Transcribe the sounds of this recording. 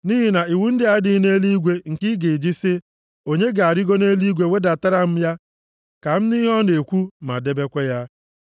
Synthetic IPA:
ni˦ɦi˦na˨i˨wu˦n̩˦dɪ˦a˨˦dɪ˦ne˦li˦ɡʷe˦ŋ̩˨kɪ˦ɡi˨d͡ʒi˦sɪ˦ | o˨ɲe˦ɡa˨ɾɪ˦ɡo˦ne˦li˦ɡʷe˨we˦da˨ta˦ɾa˦m̩˦ja˦ | ka˨m̩˦ni˦ɔ˦ne˨kʷu˦ma̰˨de˦be˦kʷe˦ja˦

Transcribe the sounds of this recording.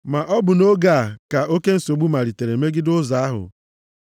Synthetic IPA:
ma˨ʔɔ˦bʊ˨no˦ɡa˦˨ka˨ʔo˦ke˦n̩˦so˨ɡ͡bu˦ma˨ɾi˨te˨ɾe˨me˦ɡɪ˦dʊ˦za˨˦a˦ɦʊ̰˨

